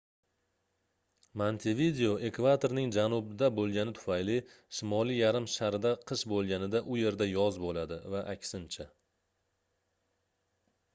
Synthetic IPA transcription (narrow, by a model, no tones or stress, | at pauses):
mant̪ʰɪvid̪eoʔe̞kvat̪ʰoɾnɪŋd͡ʒanʊbɪd̪abolˠɡʲanɪt̪ʰʊ̥fajlɪ | ʃɪmɒlˠijaɾɪmʃaɾɪd̪aqʰɨʃbolˠɡʲanɪd̪aʔʊje̞ɾd̪ajɒzbolad̪ɪvaʔakʲsɪnt͡ʃʰa